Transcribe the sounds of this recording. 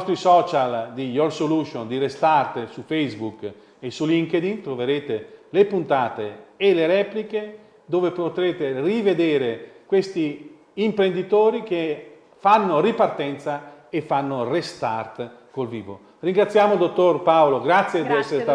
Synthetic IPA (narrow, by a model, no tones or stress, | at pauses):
st̪ɾisɔːt͡ʃald̪ijorsoluʃjond̪iɾest̪art̪sufɛjzbuk | esuliŋked̪int̪ɾoveɾeːt̪elepunt̪aːt̪eːleɾɛːplike | d̪oːvepot̪ɾeːt̪erived̪eːɾekwest̪iː | mpɾend̪it̪oːɾik̟e | fanːoripart̪ɛnt̪sa | efːanːorest̪art̪ | kolviːvo̰ | riŋɡɾat̪sːjaːmod̪ot̪ːorpaoloɡɾat̪sːjed̪iɛsːee